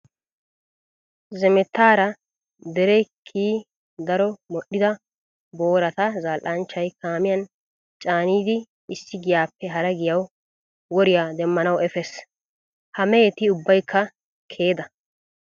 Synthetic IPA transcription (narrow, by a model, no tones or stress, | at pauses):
zɛmɛt̪ːaːɾɐ | d̪ɛɾɛjkʰːiː | d̪ɐɾɔmɔɗɪd̪ɐ | bo̞ːɾɐt̪ɐzaːlʔɐnt͡ʃːɐjkaːmɪjɐn | t͡ʃʼaːniːd̪ɪ | ɪsːɪɡɪjaːpːɛɦɐɾɐɡɪjɐw | wɔɾɪjad̪ɛmːɐnɐwɛfɛs | hɐmɛɛt̪ɪʊbːɐjkʰːɐ | kʰe̞ːd̪ɐ